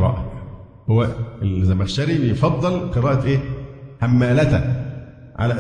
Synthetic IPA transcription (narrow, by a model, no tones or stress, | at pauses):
ɾɑ̰ːʔɑ | howːæelzæjmæxʃæɾibejfɑd̪ˤːɑlqɨɾæːʔɑʔeːhæmːæːlæt̪æ̰ | ʕa̰læʔ